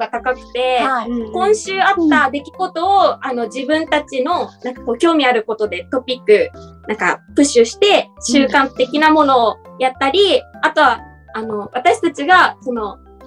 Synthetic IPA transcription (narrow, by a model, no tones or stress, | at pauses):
ɡat̪akakɯ̟̥t̪e̞kõ̞ɰ̃ɕɨːat̪ːad̪e̞kʲiɡo̞t̪o̞ːano̞d͡ʑibɯ̟̃nt̪at͡ɕino̞nãŋkḁko̞ːkʲo̞ːmʲiaɾɯ̟ko̞t̪o̞d̪e̞t̪o̞pʲikːɯ̟nãŋka̰pɯ̟ɕɨɕi̥t̪e̞ɕɨːkãnt̪e̞kʲinamo̞no̞ːjat̪ːaɾʲiat̪o̞βa | ano̞βat̪aɕi̥t̪at͡ɕiɡaso̞no̞